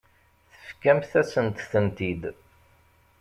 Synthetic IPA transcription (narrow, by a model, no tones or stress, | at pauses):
θə̥fkæmθæsənt̪θənt̪id̪